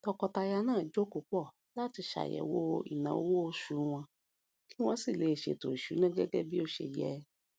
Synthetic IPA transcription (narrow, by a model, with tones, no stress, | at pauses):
tɔ˧kɔ˧ta˧ja˧nãː˦˨d͡ʒo˦ko˨˧k͡pɔ˦˨ | la˦ti˧ʃa̰˨jɛ̰˨wo˦ḭ˦˨nã̰˨o˦wo˦o˧ʃu˨˦w̃ɔ̃˧ | ki˦w̃ɔ̃˧˦si˦˨le˨˦e˨ʃe˨to˨i˨ʃu˨˦nã˦ɡɛ˦ɡɛ˦bi˦o˧ʃḛ˧˨jɛ˨˦